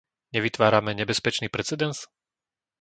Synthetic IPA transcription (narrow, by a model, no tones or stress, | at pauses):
ɲɛʋit̪ʋaːɾamɛɲɛbɛspɛt͡ʃniːpɾɛt͡sɛd̪ɛns